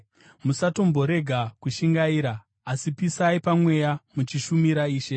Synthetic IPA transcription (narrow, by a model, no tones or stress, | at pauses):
musato̞mbo̞ɾe̞ɡʱakuʃiŋɡaiːɾaː | sipisaipamwe̞jamut͡ʃiʃumiɾaiːʃe̞